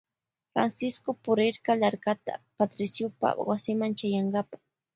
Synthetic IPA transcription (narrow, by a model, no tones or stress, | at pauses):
fɾa̰nsɪskopʊɾɪɾkɑlaɾkat̪a̰pat̪ɾɪsjʊpa̰wasɪmant͡ʃajaɴɢɑpḁ